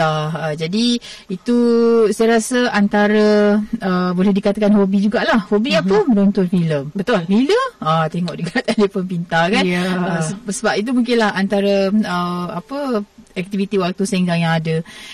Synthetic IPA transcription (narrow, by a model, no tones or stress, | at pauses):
aəd͡ʒadiit̪usajaɾasəant̪aɾəəbolɛhdikat̪akanɦobid͡ʒuɡaʔlahhobiapəməɾont̪ʊnfiləmbət̪lfiləat̪eŋɔʔdəkat̪adipəmpint̪ahkanəsəsəbapit̪̬umuŋkɪnlahant̪aɾəəapəɛk̚t̪ivit̪iwak̚t̪usaŋd͡ʒaŋjaŋadə